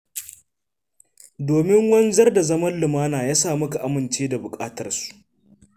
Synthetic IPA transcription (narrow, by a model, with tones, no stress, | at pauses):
doː˨mɪ˦ŋwɐ˦nzɐ˦rda˨zɐ˦mɐ˦nlɪ˨maː˦naː˨jaː˦saː˦˨mʊ˦ka˨ʔa˦mɪ˨nt͡ʃeː˦da˨bʊ˨kʼaː˦tɐ˦rsu̥˨ʔ